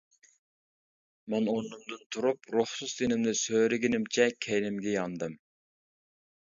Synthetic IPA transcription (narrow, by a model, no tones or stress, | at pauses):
mɛnonːɨmd̪ɨnt̪ʰuɾupɾohsusd̪enɪmnɪsøːɾɪɡʲinɪmt͡ʃʰɛkʲʰɛjnɪmɡʲɛjɑnd̪ɨm